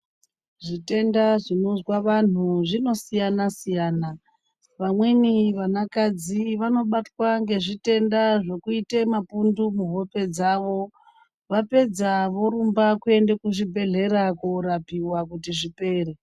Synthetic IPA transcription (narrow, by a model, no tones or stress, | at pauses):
ʐite̞ndaʐinozwaʋan̤uʐino̞sijanasijaːna | ʋamweniʋanakad͡ziʋano̞ɓatwaŋɡe̞ʐite̞ndaʐe̞kuite̞mapundumuɦo̞pe̞d͡zaːʋo̞ | ʋape̞d͡zaʋo̞ɾumbakue̞nde̞kuʐibʱe̞ɮe̞ɾakuɾapiwakutiʐipe̞ːɾe